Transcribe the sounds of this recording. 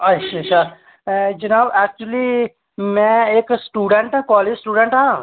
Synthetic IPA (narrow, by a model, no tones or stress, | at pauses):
ɐtʃʰaɐʃʰa | d͡ʒɐnaːbɛːk̚t͡ʃuəli | mɛ̃eːksʈuːɖẽɳʈɦɛ̃kɔːleːd͡ʒsʈuːɖə̃ɳʈɦã